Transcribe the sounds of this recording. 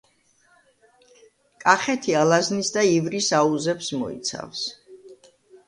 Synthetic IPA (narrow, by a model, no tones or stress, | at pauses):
kʼaχɛt̪ʰialˠaznisd̪aivɾisauzɛpsmɔ̰ḭt̪sʰa̰fs